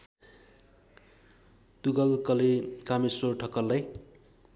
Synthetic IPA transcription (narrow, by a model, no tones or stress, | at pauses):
t̪uɡʌlkʌlekamesorʈʰʌkʌlːʌj